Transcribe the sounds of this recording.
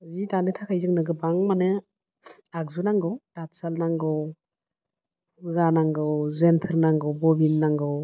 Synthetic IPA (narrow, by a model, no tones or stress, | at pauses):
zitanɯtʰakʰajzɯŋnɯɡɯbaŋmanɯ | ak̚zunaŋɡɯwdatsalnaŋɡɔ | ɯɡanaŋɡɯwzentʰɯɾnaŋɡɔwbɔbinːaŋɡɯw